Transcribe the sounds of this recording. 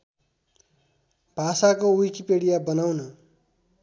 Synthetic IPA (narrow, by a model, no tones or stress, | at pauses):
b̥ʱasakoijkipeɽijabʌnawnʌ